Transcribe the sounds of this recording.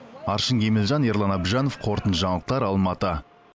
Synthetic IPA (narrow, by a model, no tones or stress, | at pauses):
ɑɾʃəŋɡʲʰemelʒɑneɾlˠɑnɑbʒɑno̞fqʰo̞ɾt̪ənʒɑɴlˠəq̚t̪ɑɾɑlˠmɑt̪ə